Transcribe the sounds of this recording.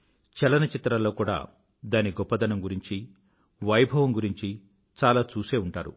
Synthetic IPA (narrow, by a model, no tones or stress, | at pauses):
t͡ʃɛlɐnɐt͡ʃit̪ɾɐlo̞ːkuːɽa̰ː | d̪aːniɡɔpːɐd̪ɐnɐmɡuɾiɲt͡ʃi | ʋɐjbʱɐʋɐmɡuɾiɲt͡ʃi | t͡ʃaːlaːt͡ʃuːse̞ːuɳʈaːɾṵ